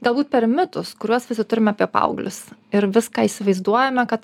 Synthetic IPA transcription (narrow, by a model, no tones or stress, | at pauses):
ɡɐlˠbuːt̪̚pʲɛɾmʲɪt̪ʊskʊɾʲuɔsʋʲɪsʲɪt̪ʊɾʲɪmɐpʲiɛpɐ̰ʊɡlʲʊsɪɾʋʲɪskaːiːsʲɪʋɐɪzd̪uɔjɛmʲɛkɐt̪